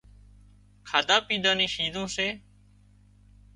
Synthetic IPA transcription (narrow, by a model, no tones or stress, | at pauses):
kʰaːd̪aːpiːd̪ãːnĩːʃiːd̪ʱõːseː